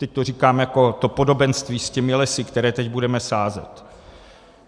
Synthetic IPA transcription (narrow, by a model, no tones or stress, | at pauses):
t̪ɛc̚t̪or̝iːkaːmjako̞t̪o̞po̞do̞bɛnst̪viːscɛmɪlɛsɪkt̪ɛɾɛːt̪ɛɟbudɛmɛsaːzɛ̰t̪